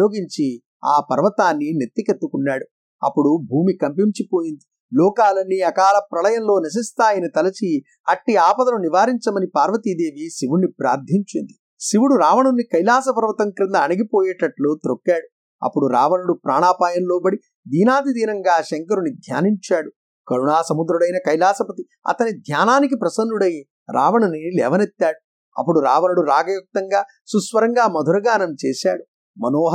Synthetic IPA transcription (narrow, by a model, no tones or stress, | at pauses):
oːɡiɲt͡ʃi | aːpɐɾʋɐt̪aːnːinet̪ːiket̪ːukunːaːɽu | ɐ̰pːuɽubʱuːmikɐmpimt͡ʃipoːjind̪i | lɔːkaːlɐnːiɐkaːlɐpɾɐlɐjɐnlo̞ːnɐs̬ist̪aːjinɐt̪ɐlɐt͡ʃi | ɐʈːiaːpɐd̪ɐnuniʋaːɾiɲt͡ʃɐmɐnipaːɾʋɐt̪id̪e̞ːʋisiʋunːipɾa̰ːɾd̪ʱiɲt͡ʃind̪i | siʋuɽuɾaːʋɐɳunːikɐjlaːs̬ɐpɐɾʋɐt̪ɐŋkɾind̪ɐːnɐɡipoːjɛːʈɐʈluːt̪ɾokːaːɽu | ɐ̰pːuɽuɾa̰ːʋɐnuɽupɾaːɳaːpaːjɐnloːbɐɽi | d̪iːnaːd̪id̪iːnɐŋɡaːʃɛŋkɐɾunid̪ʱja̰ːniɲt͡ʃaːɽu | kɐɾuɳaːsɐmud̪ɾuɽɐjnɐkɐjlaːsɐpɐt̪i | ɐ̰t̪ɐnid̪ʱjaːnaːnik̬ipɾɐsɐnd̪uɽɐji | ɾa̰ːʋɐɳɐnilɛ̰ːʋɐnet̪ːaːɽu | ɐ̰pːuɽuɾaːʋɐnɐɽuɾaːɡɐjɐk̚t̪ɐŋɡaː | susʋɐɾɐŋɡaːmɐd̪ʱuɾɐɡaːnɐmt͡ʃɛːʃaːɽu | mɐnoːɦ